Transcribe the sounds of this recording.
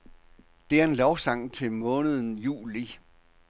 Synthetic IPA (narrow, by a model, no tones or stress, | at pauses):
d̥e̝æɐe̝nlɒʊsɑ̈ŋ̰t͡sʰe̝lmɔ̽ːnəð̞̩ˠn̩jṵːli